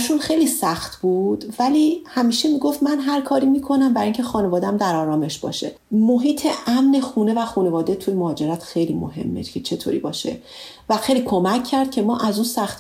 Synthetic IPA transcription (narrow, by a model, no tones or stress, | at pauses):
ʃunxejliːsæxt̪buːd̪̥vælihæmiːʃe̞miːɡoft̪mænɦæɾkʰɒːɾimiːkʰo̞næmbæɾiŋcʰe̞xɒːne̞vɒːd̪ææmd̪æɾɒːɾɒːme̞ʃbɒ̰ːʃḛ | moɦiːt̪ʰeʔæmne̞xuːne̞væxuːne̞vɒːd̪et̪ʰujemoɦːd͡ʒe̞ɾæt̪ʰxejlimo̰ɦe̞̰mːḛcʰet͡ʃʰe̞t̪ʰo̰ːɾḭbɒːʃe̞̰væxejlikʰo̞mæcʰːæɾd̪̚cʰe̞mɒːʔæzunsæxt̪